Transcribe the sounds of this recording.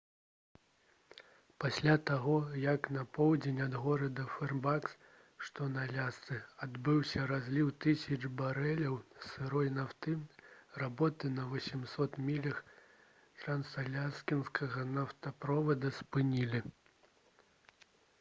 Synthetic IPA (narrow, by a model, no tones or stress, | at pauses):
pasʲlʲat̪aɣɔjɐknɐpɔwd͡zʲenʲad̪ɣɔɾɐd̪ɐfɛrbaks | ʂt̪ɔnalʲast̪sɨad̪bɨwsʲɐɾazʲlʲiwt̪ɨsʲɐʐbaɾɛlʲɐwsɨɾɔjnawt̪ɨrabɔt̪ɨnɐvɐsʲimsɔt̪mʲilʲɐx | t̪ɾɐnsɐlʲaskʲinskɐɣɐnaft̪ɐpɾɔvɐd̪ɐspɨnʲilʲi